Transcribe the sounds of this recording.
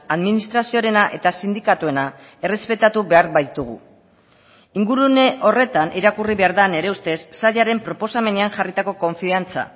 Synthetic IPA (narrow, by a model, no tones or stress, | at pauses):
aðminist̪ɾasio̞ɾe̞naʔe̞t̪asind̪ikat̪ue̞na | e̞re̞spe̞t̪at̪uβe̞aɾbajt̪uɣ̞ṵ | iŋɡuɾuneʔo̞re̞t̪aniɾakuriβe̞aɾðane̞ɾe̞ust̪e̞sːaʎaɾe̞mpɾo̞po̞same̞ne̞aŋʝarit̪ako̞ko̞ɱfiant͡sa̰